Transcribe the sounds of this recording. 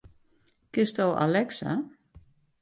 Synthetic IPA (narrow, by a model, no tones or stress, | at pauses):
kɪstowʔa̰lɛksa̰